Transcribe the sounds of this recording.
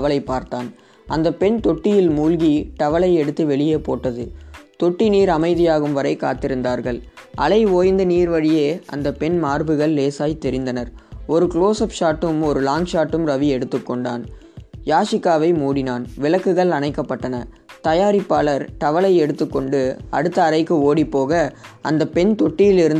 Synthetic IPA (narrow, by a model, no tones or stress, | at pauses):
ɐʋɐɭɐɪpːaːɾt̪aːn | ɐnd̪ɐpːɛɳt̪ɔʈːɪjɪlmuːlɣiʈɐʋɐɭɐɪɛɽɯt̪ːiʋɛɭɪjeːpːoːʈːɐðɯt̪ɔʈːiniːɾɐmɐɪðɪjaːɣɯmʋɐɾɐɪkaːt̪ɪɾɯnd̪aːɾɣɐɭɐlɐɪoːjnd̪ɐniːɾʋɐɻɪjeːɐ̰nd̪ɐpːɛnmaːɾbɯɣɐɭːeːsaːjt̪ɛɾɪnd̪ɐnɐɾɔɾɯkɭoːsɐpʂaːʈːɯmɔɾɯlaːŋʂaːʈːɯmɾɐʋiɛɽɯt̪ːɯkːɔɳɖa̰ːn | jaːʂɪkːaːʋɐɪmuːɽɪnaːnʋɪlɐkːɯɣɐɭɐnɐɪkːɐpːɐʈːɐnɐ | t̪ɐjaːɾɪpːaːɭɐɾʈ̪ɐʋɐɭɐɪɛɽɯt̪ːɯkːɔɳɖɯɐ̰ɽɯt̪ːɐːɭɐɪkːɯoːɽipːoːɣɐɐ̰nd̪ɐpɛnt̪ɔʈːɪjɪlɪɾɯn